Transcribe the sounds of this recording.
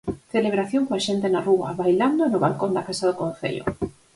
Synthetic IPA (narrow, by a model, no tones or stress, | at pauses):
θeleβ̞ɾaθjoŋkoaʃent̪enaruɐβajland̪onʊβalkond̪akasaðokõn̟θḛʎo̰